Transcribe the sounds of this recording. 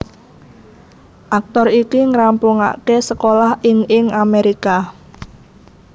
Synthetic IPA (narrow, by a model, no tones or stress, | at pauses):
ʔak̚t̪ɔrikiŋəɾampuŋa̰ʔkesəkolahʔɪŋɪŋameɾika